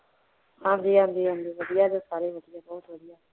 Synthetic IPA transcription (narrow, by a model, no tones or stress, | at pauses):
hãːmd͡ʒiːɦãmd͡ʒiːɦə̃md͡ʒiːʋəd̪ijaːd͡ʒoːsaːɾiːɦoːt̪ɪɦɛːbɔːt̪ʋəd̪ɪjaː